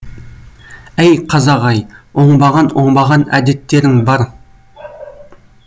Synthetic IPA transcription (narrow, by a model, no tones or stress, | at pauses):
æjqʰɑzɑʁɑjwoɴbɑʁɑnwo̞ɴbɑʁɑnæ̰d̪e̞t̪ːe̞ɾɪŋbɑɾ